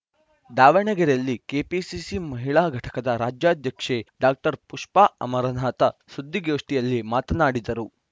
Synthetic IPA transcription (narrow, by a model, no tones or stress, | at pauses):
d̪aːʋɐɳɛɡɐɾɐlːikeːpisisimɐɦiɭaːɡʱɐʈɐ̥kɐd̪ɐɾaːd͡ʒjaːd̪ʱjɐkʂeɖaːk̚ʈɐɾpuʂpaːɐ̰mɐɾɐnaːt̪ɐsud̪ːiɡoːʂʈijɐlːimaːt̪ɐnaːɽid̪ɐɾu